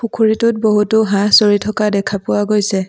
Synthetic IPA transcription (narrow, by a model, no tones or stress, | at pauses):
pukʰuɹitʊt̚boɦutoɦãsoɹitʰɔkadɛkʰapʊwaɡojsɛ